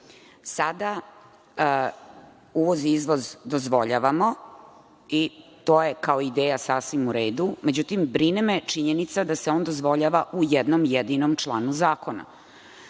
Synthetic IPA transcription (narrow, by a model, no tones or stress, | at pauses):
sad̪a | uʋo̞ziizʋo̞zd̪ozʋo̞ʎaʋamo̞ | it̪o̞ːjekaoid̪eːjasaːsʋimuɾeːd̪ume̞d͡ʑut̪imbɾinemet͡ʂiɲenit̪sad̪aseond̪ozʋo̞ʎaʋaʔujed̪nomjed̪inomt͡ʃlˠaːnuzaːko̞na̰